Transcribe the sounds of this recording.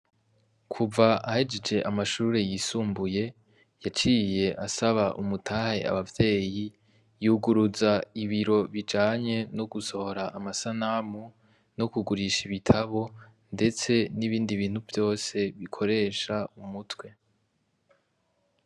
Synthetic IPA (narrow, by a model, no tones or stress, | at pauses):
kʰuvaahed͡ʒed͡ʒe̞ʔamaʃuːɾe̞jisuːmbuje̞ | jat͡ʃiːje̞ʔasaβaʔṵmutʰahe̞a̰βavje̞ːji | juːɡuɾuzaiβiɾo̞βid͡ʒaːɲe̞no̞ɡuso̞ho̞ɾaʔːmasanamu | no̞kuɡuɾiʃiβitʰaβo̞ | nde̞t͡se̞niβiːndiβiːn̥huvjo̞ːse̞βikʰo̞ɾe̞ːʃaumutwe̞